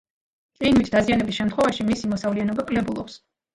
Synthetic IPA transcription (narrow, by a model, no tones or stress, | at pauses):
qʼinmit̪ʰd̪azianɛbisʃɛmt̪χwɛvaʃimisimɔsavlianɔbakʼlɛbulˠɔps